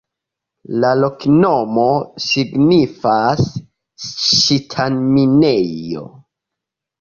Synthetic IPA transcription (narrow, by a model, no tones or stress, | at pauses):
lalokno̞mo̞siɡnifas | ʃitʰanminejo̞̰